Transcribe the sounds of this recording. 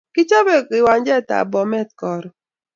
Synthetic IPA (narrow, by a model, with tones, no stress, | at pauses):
kɪ˦t͡ʃɔ˦bɛ˦kɪ˨wa˨nd͡ʒɛ˦˨ta̰˨bɔ˨mɛ˦t̚kɔ˨ɾ